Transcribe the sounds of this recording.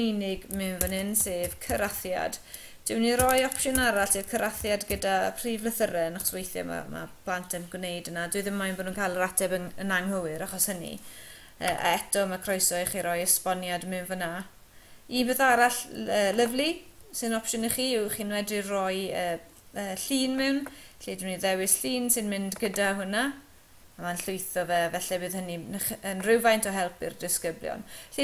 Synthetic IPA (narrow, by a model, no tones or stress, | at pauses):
inɪɡmɨɱvənɪnseːvkʰəɾaθja̰d̥ | d̥ɪwniɾɔjɔpʃʊnaɾaɬseːv̥kʰəɾaθjadɡədapʰrivlˠəθəɾɛnaχswejθjɔ̰ma̰ma̰pʰlˠantʰənɡwnejdənadʊɨðɪmːajnbɔdnuːnkʰajlˠəɾatʰɛbəənaŋhəwɨɾaχɔshənḭ | ə̰ːʔa̰ɛtʰɔmakʰrɔjsɔɨχiɾɔjəspɔnjadmɨnvəna | ibɨːðaɾaɬəːləvlisɨnɔpʃɔniχiːʊχiːnwɛdrirɔjəː | əːɬiːnmɪwnɬiːdmniðɛwɪsɬiːnsɨnmɪndɡədaɦʊna | amanɬʊjθɔvɛvɛɬɛbɨːðhəninəχənrɪwvajntʰɔɦɛlˠpɪ̰rdɪskəbljɔ̰nɬi